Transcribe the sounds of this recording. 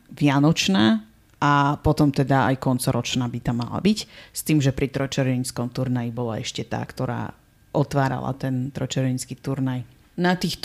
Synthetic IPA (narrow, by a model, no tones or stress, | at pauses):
ʋɪanɔt͡ʃnaː | ʔapɔt̪ɔmt̪ɛd̪aajkɔnt͡sɔɾɔt͡ʃnaːbit̪amːa̰la̰bicst̪iːmʒɛpɾit̪ɾɔt͡ʃɛɾɛɲskɔmt̪uɾnajibɔlaɛʃcɛt̪a̰ːkt̪ɔɾa̰ː | ʔɔt̪ʋaːɾa̰la̰t̪ɛnt̪ɾɔt͡ʃɛɾʋɛɲskiːt̪uɾnaj | nat̪iːxt̪